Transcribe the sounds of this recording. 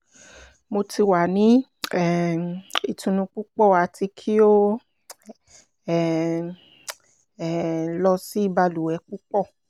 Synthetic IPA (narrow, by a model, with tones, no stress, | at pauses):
mo˧ti˧wa˨nĩ˨˦˨ | i˨tũ˧nũ˧k͡pu˦k͡pɔ˦˨wa˧ti˧kʰi˦o˦˨ | lɔ˧si˦i˦ba˧lu˨wɛ˧˦k͡pu˦k͡pɔ˦˨